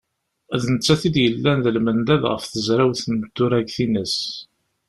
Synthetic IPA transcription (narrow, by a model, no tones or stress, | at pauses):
æðnət͡sːæθid̪jəlːænðəlmənd̪æðʁə̰fθəzɾæwθnəbt̪ːʊɾæɡθinəs